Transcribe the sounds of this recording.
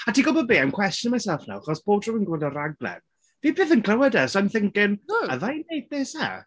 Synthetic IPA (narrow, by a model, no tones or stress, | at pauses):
atʰiːɡɔbɔbiːamkʰw̥ɛstjənmajsɛlˠfna̰wχɔsb̥oːb̚drɔwənɡwɪldɔɾaɡ̚lˠɛ̰n | v̥iːpʰeθənkʰlˠəwɛdəsanθɪŋkɪna̰ðajnejθ̚b̥esa̰